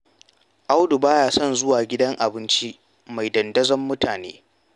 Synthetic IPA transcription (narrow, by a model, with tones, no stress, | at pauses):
ʔa˦wdu˨baː˦jaː˨sɔ˦nzʊ˦waː˨ɡʲɪ˦dɐ˦ŋʔa˨bɪ˦nt͡ʃi˦ | ma˨jdɐ˨ndɐ˦zɐ˦mːʊ˦tʰaː˨nḛː˦